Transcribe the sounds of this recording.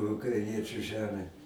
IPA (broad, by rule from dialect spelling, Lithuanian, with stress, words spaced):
ʊkrɐɪˈnʲiɛt͡ʃʲʊ ˈʒʲæːmʲæː